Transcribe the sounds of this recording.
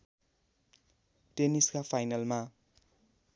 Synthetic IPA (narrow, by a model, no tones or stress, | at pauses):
ʈeniskapʰajnalma